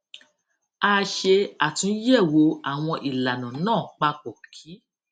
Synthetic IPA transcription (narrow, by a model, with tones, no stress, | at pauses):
a˦˧ʃe˧a˨tũ˨˦jɛ˦˨wo˨˧˦a˨w̃ɔ̃˧ʔi˨la˨nã˨nãː˦˨k͡pa˧k͡pɔ˨kʰi˨˦